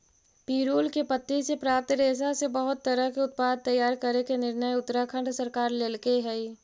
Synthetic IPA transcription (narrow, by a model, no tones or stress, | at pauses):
piːɾuːlkepət̪ːisepɾaːp̚t̪ɾeːsasebəɦʊt̪ːəɾəɦkeʊt̪̚paːd̪̚t̪ɐjːaːɾkəɾekenɪɾnəjʊt̪ːəɾakʰə̃ɳɖsəɾkaːɾleːlkeɦɛi